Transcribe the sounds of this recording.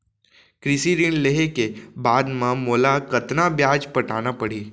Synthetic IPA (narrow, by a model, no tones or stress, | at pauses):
kɾɪsiɾinleɦekebaːd̪mãmoːlakɐt̪nabjaːd͡ʒpɐʈʰaːnapɐɽiː